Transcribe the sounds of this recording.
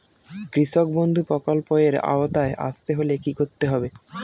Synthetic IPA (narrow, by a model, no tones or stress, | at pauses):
kɾiʃok̚bond̪ʱupɾɔkolpoeɾa̰ot̪aeʔa̰st̪eɦolekikoɾt̪ːeɦɔbe